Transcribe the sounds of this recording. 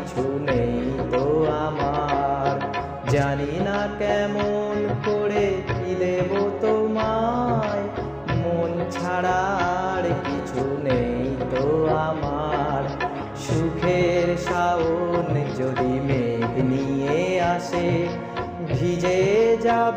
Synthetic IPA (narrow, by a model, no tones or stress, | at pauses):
t͡ɕʰunejt̪oamaɾ | d͡ʑaninakɛmonkoɾepilebot̪omaj | mont͡ɕʰaɽaɽkit͡ɕʰunejt̪oamaɾ | ʃukʰeɾʃaond͡ʑod̪ʱimeɡ̪nieaʃe | bʱid͡ʑed͡ʑa